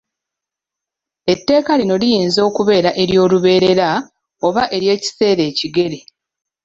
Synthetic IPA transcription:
e̞tːe̞ːkalino̞lijiːnzo̞ːkuβe̞ːɾaʔe̞ɾjo̞ːluβe̞ːɾe̞ɾa | o̞βaʔe̞ɾje̞ːci̥se̞ːɾe̞ːciɡe̞ɾe

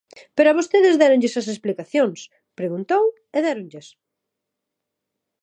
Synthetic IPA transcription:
peɾoʊaβost̪eðɪzðɛɾoŋʎesɐs̬esplikaθjoŋs | pɾeɣunt̪ow | eðɛɾoŋʎes

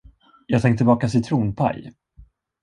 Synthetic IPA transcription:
jɑːɡt̪ʰɛŋt̪ʰɪlbɑːkasɪt̪ʰɾuːnpʰa̰j

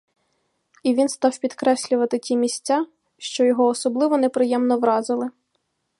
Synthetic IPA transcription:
iʋʲinst̪ɑwpʲid̪kɾɛsʲlʲʊʋɐt̪ɪtʲimʲisʲt͡sʲa | ʃt͡ʃɔjɔɦɔːsɔblˠɪʋɔnepɾɪjɛmnɔʋɾɑzɪlˠɪ

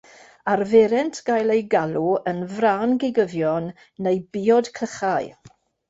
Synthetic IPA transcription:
aɾvɛɾɛntʰɡ̥ajlˠejɡaluənvraːnɡɪɡəvjɔnː | ejbiːɔd̥kʰəχaɨ

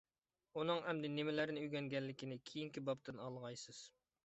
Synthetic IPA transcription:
unɨŋɛmd̪ɪnɪmɪlæɾnɪyjɡʲɛŋɡʲɛlːɪkʲinɪkʲʰijiŋkʲibɑp̚t̪ɨnɑlˠʁɑjsɨz̥

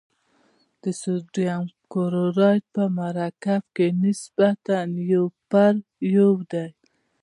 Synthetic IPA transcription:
d̪̥əsuɾjamkoɾoɾɑj̪pəmaɾakafkenɪsbat̪anjowpaɾjowd̪aj

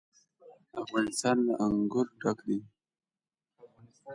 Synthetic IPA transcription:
afɣɑnɪst̪ɑnlaʔaŋɡʊɾɖakd̪i

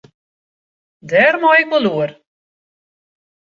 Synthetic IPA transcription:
dɛrmɔjɪk̚məluər

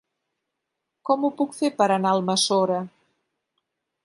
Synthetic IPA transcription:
kɔmupukfepəɾənaəlˠməsoɾə

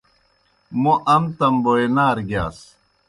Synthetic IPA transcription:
moʔɐmt̪ɐmboenaːɾɡjaːs

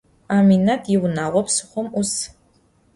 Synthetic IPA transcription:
aːminatʰjɪwnaːʁʷɔpsɨ̥χʷɔmus

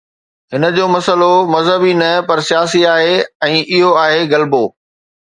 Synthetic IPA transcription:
ɦɪnə̆d͡ʑoːmɐsəlomɐzɦəbinɐpɐɾsijaːsiaːɦeɛ̃ːʔɪɦoaːɦeɡɐlboː

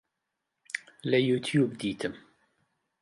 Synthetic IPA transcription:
lɛjuːt̪ʰjuːbd̪iːt̪ʰɨm

